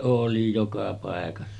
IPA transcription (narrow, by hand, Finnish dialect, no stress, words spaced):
oˑli jokɑ pɑˑekɑsːɑ